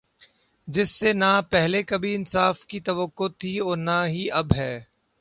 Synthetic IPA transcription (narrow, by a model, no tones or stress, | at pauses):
d͡ʒɪsːenapɛɦlekɐbʱiɪnsaːfkit̪ɐʋəkːot̪ʰiɔːɾnaɦiɐbɦɛː